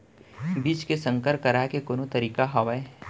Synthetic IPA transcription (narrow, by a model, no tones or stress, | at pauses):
biːt͡ʃkesə̃ŋkəɾkɐɾaːkekoːnot̪ɐɾiːkaɦɐʋae